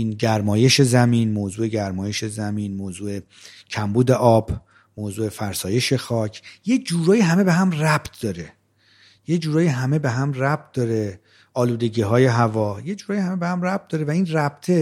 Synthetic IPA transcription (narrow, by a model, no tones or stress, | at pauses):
inɟæɾmɒːje̞ʃe̞zæmiːnmoːzuːe̞ɟæɾmɒːje̞ʃe̞zæmiːnmoːzuːe̞ | cʰæmbuːd̪e̞ʔɒːb̥ | moːzuːe̞fæɾsɒːje̞ʃe̞xɒːcʰjed͡ʒuːɾɒːjiɦæme̞be̞ɦæmræb̥t̪̚ʰd̪̥ɒːɾe̞ | jed͡ʒuːɾɒːjiɦæme̞beɦæmræb̥̚t̪̚d̪̥ɒːɾe | ɒːluːd̪e̞ɟiːɦɒːje̞ɦævɒːjed͡ʒuːɾɒːjihæmebehæmræb̥̚t̪̚d̪ɒːɾe̞væiːnræb̥̚t̪ʰe